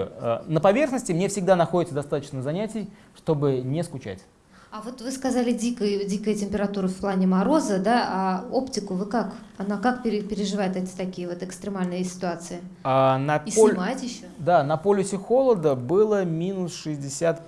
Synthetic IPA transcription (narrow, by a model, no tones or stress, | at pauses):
ə̰nəpɐvʲe̞rxnəsʲtʲɪmnʲe̞fsʲɪɡd̪anɐxodʲɪt̪səd̪ɐst̪at̪ət͡ɕnəzɐnʲætʲɪj | ʂt̪o̞bɨnʲeskʊt͡ɕæ̰tʲ | avo̞t̪vɨskɐzalʲɪdʲikəjʊdʲikəjətʲɪmʲpʲɪɾɐt̪uɾəfplˠanʲɪmɐɾo̞zəd̪aao̞ptʲɪkʊvɨkakɐnakakpʲɪɾʲɪpʲɪɾʲɪʐɨvajɪt̪ɛtʲɪ̥t̪ɐkʲijəvo̞t̪ɨkst̪ɾʲɪmalʲnɨjəsʲɪ̥t̪ʊat̪sɨɪanɐisʲnʲmajɪt̪ʲjɪɕːod̪anɐpolʲɪsʲɪxo̞lˠəd̪əbɨlˠəmʲinʊsʂɨzʲdʲɪsʲat̪